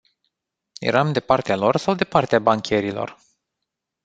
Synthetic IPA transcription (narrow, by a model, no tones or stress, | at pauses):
jḛɾamd̪e̞part̪ealo̞rsawd̪e̞part̪eabaŋkʲe̞ɾilo̞̰r